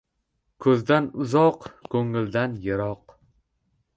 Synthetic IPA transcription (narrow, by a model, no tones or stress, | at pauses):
kʰɵzd̪anʊzɒqkʰɵŋɪld̪anjɪɾɒq